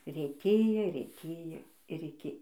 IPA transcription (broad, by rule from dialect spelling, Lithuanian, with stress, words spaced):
rʲeːtʲˈeːjoː rʲeːˈtʲeːjoː ɪr ɪˈkʲɪ